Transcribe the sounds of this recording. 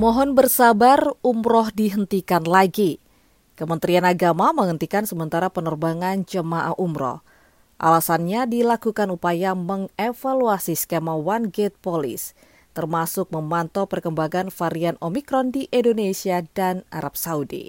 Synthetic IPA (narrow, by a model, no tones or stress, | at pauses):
mɔɦɔnbərsabarumɾɔhdiɦənt̪ikanlaɡi | kəmənt̪ɾianaɡamaməŋənt̪ikansəmənt̪aɾapənərbaŋand͡ʒəmaʔa̰ʔumɾɔ̰h | ʔa̰lasanɲadilakukanupajaməŋefaluasiskemawanɡet̪̚polḭs | t̪ərmasʊk̚məmant̪ɔpərkəmbaŋanfaɾianomikɾɔndiʔindonesiadanʔa̰ɾap̚saudḭ